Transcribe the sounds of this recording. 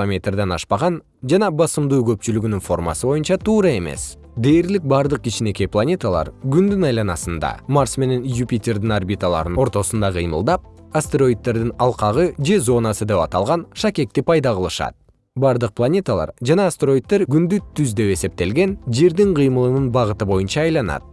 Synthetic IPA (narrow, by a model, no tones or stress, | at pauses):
omʲe̞t̪rd̪enɑ̰ʃpɑʁɑn | ʒɑnɑbɑsəmd̪uwkʲʰɵpʃɪlɪɡʲɪnɪŋfo̞rmɑ̰səbo̞jənʃɑt̪ʰuːɾɑe̞me̞̰s | d̪ejɾlɪk̚bɑɾd̪əq̚kʲʰiʃɪne̞kʲe̞plˠanʲe̞t̪alˠɑ̰ɾɡʲʰʏnd̪ɪnɑjlˠɑnɑsənd̪ɑ̰mɑrsme̞ne̞njupʲit̪ʲe̞rd̪ɪŋarbʲit̪alˠɑ̰ɾəno̞ɾt̪o̞sənd̪ɑqʰə̰jməlˠd̪ɑp̚ | ast̪e̞ɾo̞jt̪̚t̪ːe̞ɾd̪ɪŋɑlˠqɑʁəʒe̞zo̞nɑsəd̪e̞pɑt̪ɑlˠʁɑnʃɑkʲe̞k̚t̪ɪpʰɑjd̪ɑʁəlˠəʃɑ̰d̪ | bɑɾd̪əq̚pʰlˠanʲe̞t̪alˠɑ̰ɾʒɑnɑst̪eɾo̞jt̪̚ːeɾɡʲʏnd̪ʏt̪ʰːʏzd̪e̞we̞se̞p̚t̪e̞lɡʲe̞nʒe̞ɾd̪ɪŋqʰijməlˠənənbɑʁət̪əbo̞jənʃɑːjlˠɑnɑ̰d̪